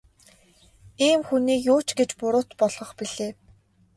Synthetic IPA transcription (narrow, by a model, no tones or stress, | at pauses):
iːmxuniːkjʊːt͡ɕɡet͡ɕpʊɾʊːt̪pɔɮʁɞ̆χpiɮ̥eː